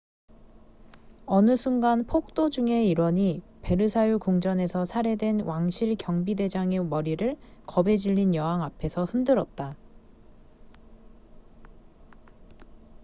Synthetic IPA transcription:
ʌnɯsʰuŋɡanpʰok̚t͈od͡ʑuŋe̞iɾwʌɲipe̞ɾɯsʰajukuŋd͡ʑʌne̞sʰʌsʰaɾe̞dwe̞nwʔaŋɕʰiɭkjʌŋbide̞d͡ʑaŋe̞mʌɾiɾɯɭkʌbe̞d͡ʑiʎːinjʌɦaŋapʰe̞sʰʌhɯndɯɾʌp̚t͈a

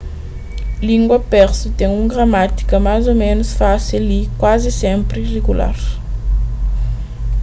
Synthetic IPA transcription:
lĩŋɡwɐpɛʁsut̪ɛ̃ŋũŋɡɾamat̪i̥kɐmazomɛnusfasilikwazisɛ̃mpɾireɡula̰ɾ

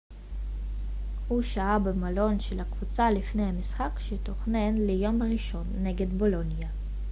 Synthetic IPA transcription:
huʃaabemalo̞nʃelhakv̥ut͡salifnejhamisχakʃet̪oχnenlejo̞maʁiʃo̞nːeɡe̞dbo̞lo̞nja

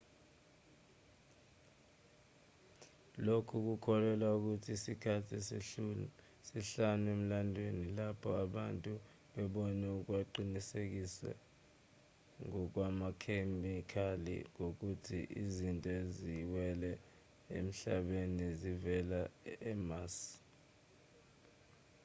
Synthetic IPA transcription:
lokʰuk̬ukʰɔlɛlauk̬utʰiːsikʰatʰisiɬuːlu | siɬanuem̩landʱwenilapʰɔaɓantʼu | ɓɛɓɔnɛuk̬waǃinisek̬isɛ̰ | ŋɔk̬wamakʰemikʰalḭŋok̬utʰḭʔḭzintʼɔeziwɛlɛ | ḛm̩ɬaɓenizivɛlaɛmaːsi̥

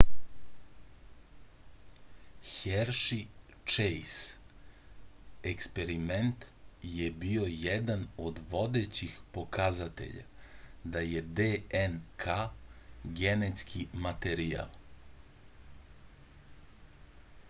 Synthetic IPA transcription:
xeɾʃit͡ʃejs | ekspeɾiment̪jebio̞jɛd̪anod̪ʋo̞d̪et͡ɕixpo̞kʰazat̪ḛʎa̰d̪ajed̪eɛnkʰa | ɡenet̪skʰimat̪eɾia̰lˠ

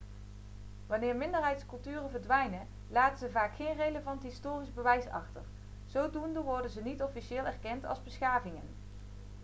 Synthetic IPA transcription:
ʋɑnɪːɹmɪndəɹɦɛjtskɵlˠtyːrənvəɹdʋɛjnə | laːtənzəvaːkχejnrejləvɑntɦɪstoːrizbəʋɛjsɑ̰χtə̰ɹ | z̥owdundəʋɔɹdənzənitɔfiʃɪːlˠɛrkɛntɑ̰lˠzbəsχaːvɪŋən

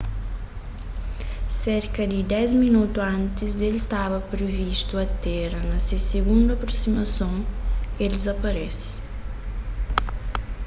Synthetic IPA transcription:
seɾkɐd̪id̪ɛzminut̪uãnt̪izd̪elist̪avɐpɾevist̪uɐt̪eɾɐnɐsesiɡũnd̪ɐpɾosimɐsõŋelzɐpɐɾes

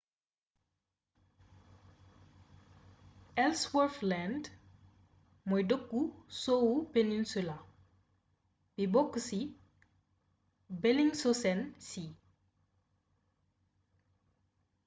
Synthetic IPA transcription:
ɛlswɔɾflɛnd | mɔjdokːusoupeninsula | b̥ibɔkːəsi | beliŋsosɛnsi

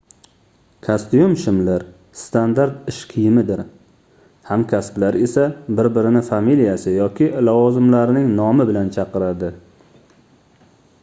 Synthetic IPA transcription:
kʰast̪ijumʃɪmlaɾ | st̪ʰand̪aɾt̪ɪʃqʰijɪmɪd̪ɪɾ | hamkʲʰasblaɾe̞sabɪɾbɪɾɪnɪfamilijasɪjɒkʲɪlɒwɒzɪmlaɾɪnɪŋnɒmɪbɪlant͡ʃʰɑqɨɾaɾd̪ɪ

